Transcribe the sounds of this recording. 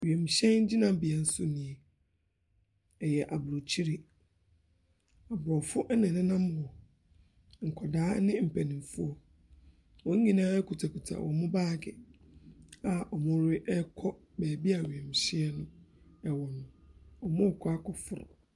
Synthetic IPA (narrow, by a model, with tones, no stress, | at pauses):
ɥi˨e˨m˨ɕɛ̃˦n̩˦d͡ʑi˦nã˨˦bɪ˨ɛ˨n̩˦sʊ˦nĩ˨e˨ | ɛ˨jɛ˨ʔa˨bʊ˨ɾɔ˨t͡ɕʰi˦ɾi˨ | a˨bɾɔ˨fʊ˦ʔnɪ̃˨nɪ̃˦nã˦m˨wɔ˨ | ŋ̩˨kʰɔ˨daː˦nɪ̃˦m̩˨pʰæ˨nĩ˨mfʊ˦ɔ˨ | wɔ̃˦ɲ˦ɲĩ˦nãː˦ɛ˦kʰu˨tʰa˨kʰu˨tʰa̰˨wʔɔ̰˨mʊ̃˦baː˦˨ɡɪ˨ | a˨ʔɔ˨mʊ̃˦ɾɪ˦ʔɛ˦kʰɔ˦ | bɛː˨bi˦a˨ɥẽ˨m˨ɕi˦ɛ˦nʊ̃˦ɛ˨wɔ̃˨ñ˨ɔ˨mʊ̃˦˨kʰɔ˦a˦kʰɔ˨fʊ˨ɾʊ̰˨